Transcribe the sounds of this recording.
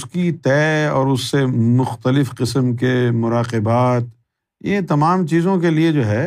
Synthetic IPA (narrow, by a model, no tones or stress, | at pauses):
ʊskit̪ɛːɔːɾʊsːemʊxt̪əlɪfqɪsəmkemʊɾaːqɪbaːt̪ | jet̪ɐmaːmt͡ʃiːzõk̬elied͡ʒoːɦɛː